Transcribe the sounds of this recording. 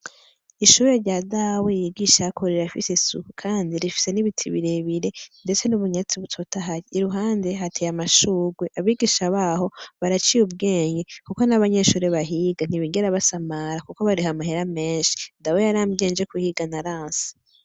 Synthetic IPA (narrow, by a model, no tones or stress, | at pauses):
iʃuːɾeɾɟadawejiɡiʃakʰoɾeɾafisesṵkukʰaːndiɾifi̥se̞niβitʰiβḭɾe̞βiɾe̞nde̞t͡se̞nuβuɲat͡siβutʰo̞taɦaɾiːɾuɦaːnde̞ɦatʰejamaʃuːɡweʔaβiɡiʃaβaːho̞βaɾat͡ʃiubɡeːɲɡekuko̞naβaɲe̞ʃuːɾeβaɦiɡan̥iβiɡeɾaβasamaɾakukoβaɾiɦamahe̞ɾame̞ːnʃi̥ndawejaɾaːmɡe̞ːnd͡ʒe̞kuhiɡanaɾaːnsi̥